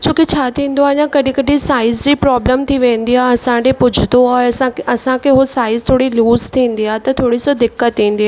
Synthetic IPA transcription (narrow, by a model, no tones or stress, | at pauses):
t͡ɕoːkit͡ɕʰaːt̪ʰĩːnd̪oaːɦɪɲãkɐɗĩkɐɗĩsaːɪzd͡ʑiːpɾɔːbləmt̪ʰiʋẽːn̆d̪iaɐsãɖepʊd͡ʑʱʊt̪oaːeɐsãɐsãkʰeɦosaːɪzt̪ʰoːɽiluːzt̪ʰĩːn̆d̪iaɦet̪ɐt̪ʰoːɽisod̪ɪkːət̪ːĩːn̆d̪iaː